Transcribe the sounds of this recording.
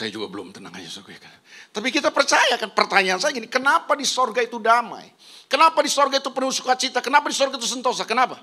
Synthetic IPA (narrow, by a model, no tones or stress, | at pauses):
sajad͡ʒuɡabəlʊ̰mt̪ənaŋa̰d͡ʒasokujaka | t̪apikit̪apərt͡ʃajakanpərt̪aɲaːnsajaɡinikənapadisorɡait̪udama̰j | kənapadisorɡait̪upənusu̥kat͡ʃit̪akənapadisɔrɡait̪̬usənt̪os̬akənapa